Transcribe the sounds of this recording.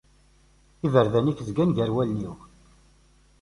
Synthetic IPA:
ivəɾðænikzɡænʝəɾwælniw

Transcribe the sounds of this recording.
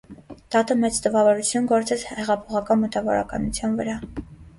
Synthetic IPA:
d̪̥ɑt̪əmɛt͡st̪əvɑvɔɾut͡sʰjunɡɔɾt͡sɛt͡shɛʁɑpʰɔʁɑkɑnmət̪ɑvɔɾɑ̰kɑ̰nut͡sʰjɑnvə̰ɾɑ

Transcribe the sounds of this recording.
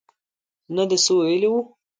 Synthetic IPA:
nad̪əsəwajəliwu

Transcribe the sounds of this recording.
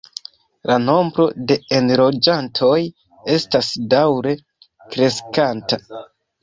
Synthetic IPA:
lano̞mbɾo̞de̞enɾo̞d͡ʒantʰo̞j | e̞stasdawɾe̞ | kɾe̞skanta

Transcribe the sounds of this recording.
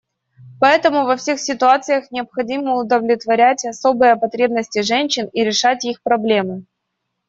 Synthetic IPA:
pɐɛt̪əmʊvɐfsʲe̞xsʲɪt̪ʊat̪sɨjəxnʲɪəpxɐdʲiməʊd̪əvlʲɪt̪vɐɾʲætʲɐso̞bɨjəpɐt̪ɾʲe̞bnəsʲtʲɪʐɛnʲɕːɪniɾʲɪʂatʲixpɾɐblʲe̞mɨ

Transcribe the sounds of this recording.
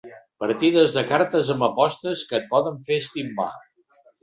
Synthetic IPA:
pəɾt̪iðəzðəkaɾt̪əzəmbəpɔst̪əskət̪̚pɔðəɱfeəst̪imːa̰

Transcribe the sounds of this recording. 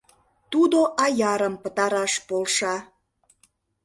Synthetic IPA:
t̪ud̪oʔɑjɑɾəmpət̪ɑɾɑʃpolʃɑ

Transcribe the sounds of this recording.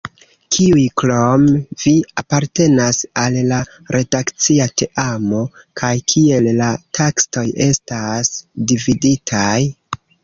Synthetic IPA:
kʰiujklomviapaɾte̞nasalːa | ɾʔe̞dakt͡siatʰe̞ʔamo̞ | kʰajkʰie̞lːatʰaksto̞je̞stasdividitʰaj

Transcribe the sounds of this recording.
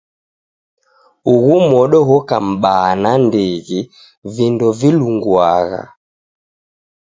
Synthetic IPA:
uɣumɔɗɔɦɔka̰m̩ɓanandiɣi | vindɔviluŋɡwaɣa̰

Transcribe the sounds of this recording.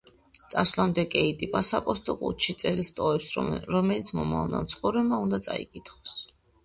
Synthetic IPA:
t̪sʼaslˠamd̪ɛkʼɛit̪ʼipʼasapʼɔst̪ʼɔqʼṵt̪ʃit̪sʼɛɾist̪ʼɔɛpsɾɔmɛlit̪sʰmɔma̰vna̰mt̪sʰχɔvɾɛmaund̪at̪sʼa̰ḭkʼit̪ʰχɔ̥s

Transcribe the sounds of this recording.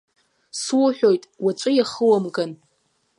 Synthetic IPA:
swuħʷᶣo̞jtʼwat͡ʃʷʼɨjaχəwamkʼan

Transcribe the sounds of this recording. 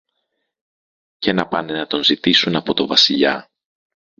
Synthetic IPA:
cenɐpɐne̞nɐt̪o̞nzit̪isunɐpo̞t̪o̞vɐsiʎɐ̰

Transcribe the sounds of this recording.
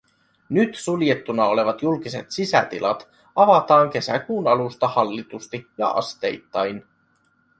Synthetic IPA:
nyt̪sulje̞t̪ːunɑo̞le̞ʋɑt̪julk̟ise̞t̪sisæ̰t̪ḭlʔɑ̰t̪ | ɑʋɑt̪ɑːŋk̟e̞sækuːnɑlust̪ɑhɑlːit̪ust̪ijɑ̰ʔɑ̰st̪e̞jt̪ːɑjn

